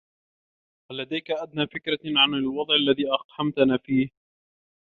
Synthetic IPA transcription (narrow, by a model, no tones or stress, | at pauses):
halːad̪ajkaʔad̪naːfɪkɾaʕanalwɑd̪ˤʕalːaðiːʔɑqħamt̪anaːfiːh